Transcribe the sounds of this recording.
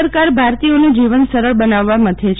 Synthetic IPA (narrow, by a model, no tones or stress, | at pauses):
əɾkaɾbʱaɾt̪ioned͡ʒiʋənsəɾəɭbənaʋːamət̪ʰet͡ʃʰ